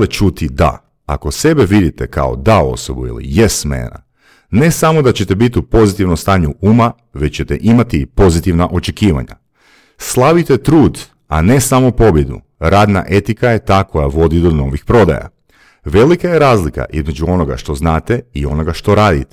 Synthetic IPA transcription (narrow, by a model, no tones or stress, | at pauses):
let͡ʃut̪id̪a̰ | a̰ko̞se̞beʋid̪it̪eka̰o̞̰d̪ao̞̰sobuḭlḭjesmḛna̰ | ne̞samo̞d̪at͡ɕet̪ebit̪upo̞zit̪iʋnost̪aːɲuʔuːma | ʋet͡ɕt͡ɕet̪eʔimat̪ipo̞zit̪iʋnaʔo̞t͡ʃe̞kiːʋa̰ɲa̰ | slˠaʋit̪et̪ɾuːd̪ | a̰ne̞samopo̞bje̞d̪ṵ | ɾaːd̪na̰ʔe̞t̪ikaje̞t̪aːko̞jaʋo̞d̪id̪o̞no̞ʋixpɾo̞d̪a̰ja̰ | ʋe̞likajeɾaːzlika̰ʔizme̞d͡ʒuo̞noɡa̰ʃt̪o̞znaːt̪eio̞no̞ɡaʃt̪o̞ɾaːd̪it̪e̥